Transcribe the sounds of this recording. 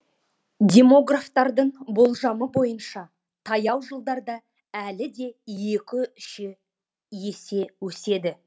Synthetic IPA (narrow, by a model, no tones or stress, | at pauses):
d̪ʲe̞mo̞ɡraft̪ɑɾd̪əɴbo̞lˠʒɑməbo̞jənʃɑ | t̪ʰɑjɑwʒəlˠd̪ɑɾd̪ɑ | ælɪd̪e̞je̞kʲɪʏʃɪ | je̞se̞wɵse̞d̪ɪ